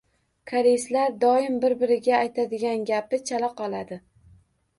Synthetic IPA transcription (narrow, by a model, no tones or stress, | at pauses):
kʰaɾeslaɾd̪ɒɪmbɪɾbɪɾɪɡʲaːjt̪ʰad̪ɪɡʲanɡʲapɪt͡ʃʰalaqʰɒlˠad̪ɪ